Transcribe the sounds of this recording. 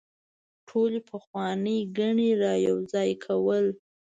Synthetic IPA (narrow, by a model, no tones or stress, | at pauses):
ʈʰolepʰəxwɑnəjɡaɳiɾɑjawzɑjkʰawəl